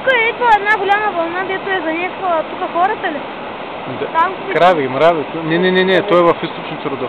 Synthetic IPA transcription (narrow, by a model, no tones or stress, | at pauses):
t̪ukəɛit̪oɛd̪naɡolʲaməvɐlˠnaɡd̪ɛt̪ʊɛzɐnʲɛsvət̪ukəxɔɾɐt̪əli | d̪ɐt̪amkɾaviɡʲimɾavit̪nʲɛnɛnɛnʲɛt̪ɔɛvɐfist̪opʃnt̪ɾod̪ɔ